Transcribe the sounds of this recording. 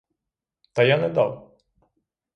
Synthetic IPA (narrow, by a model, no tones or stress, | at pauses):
t̪ɐjanɛd̪a̰w